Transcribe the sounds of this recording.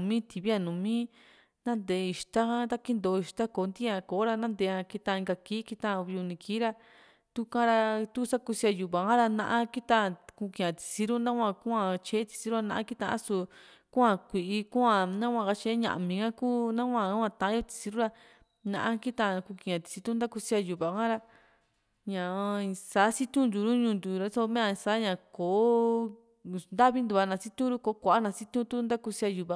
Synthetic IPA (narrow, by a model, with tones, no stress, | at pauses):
mĩ˦t̪i˨βi˦a˧nũ˨mĩ˦ | nã˦nd̪e˨˦˧i˨ʃt̪a˦a˦t̪a˦ki˦nd̪o˨˧i˨ʃt̪a˦ko˨˦nd̪i˦ã˧ko˨˦ɾa˧nã˦nd̪e˨˧ã˧ki˧t̪ã˧ĩ˧ŋɡa˧kiː˦ki˧t̪ã˦˧βi˧u˧nĩ˧kiː˦ɾa˧ | t̪u˧kã˦ɾa˧t̪u˦sa˦ku˧si˧a˧ju˨βã˨ã˦ɾa˧nã̰˧ʔã˦ki˦t̪a˧ku˧kĩ˧˨ã˨t̪i̥˧si˧ɾu˦nã˦kʷã˧ku˦ã˧t͡ʃe˦t̪i̥˧si˧˦ɾu˦a˧nã˧ʔa˦ki˦t̪ã̰˧ʔã̰˦su˧ | kũ˦ã˧kʷi˨ʔi˧kũ˦ã˧nã˦kʷã˧ka˧t͡ʃe˧˦ɲã̰˧˨ʔmĩː˨kã˦kuː˦nã˦kʷã˧˨˦ã˧t̪ã˨ã˦o˧t̪i̥˧si˧ɾu˦ɾa˦ | nã̰˧ʔã˦ki˦t̪ã˧ku˧kĩ˧˨ã˨t̪i̥˧si˧t̪u˦nd̪a˦ku˧si˦a˧ju˨βa˨kã˦ɾa˦ | ɲã˨˧sa˨˦si˦t̪ũ˦nd̪u˨˧ɾu˦ɲũː˧nd̪u˨ɾa˧˦sa˧mẽ˦ã˧saː˨˦ɲã˧˨ko˨˦ | nd̪a˦βi˦nd̪u˧a˧nã˧si˦t̪ũ˦ɾu˦ko˧˦kʷa˨ʔa˦nã˧si˦t̪ũ˦t̪u˦nd̪a˦ku˧si˧˦a˧ju˧˨βa˧˨